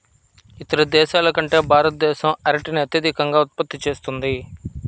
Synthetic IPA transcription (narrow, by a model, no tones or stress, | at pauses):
it̪ɐɾɐd̪ɛːʃaːlɐkɐɳʈe̞ːbʱaːɾɐt̪̚d̪ɛːʃɐmɐɾɐʈiniɐt̪jɐd̪ʱikɐŋɡaːut̪̚pɐt̪ːit͡ʃe̞ːst̪und̪i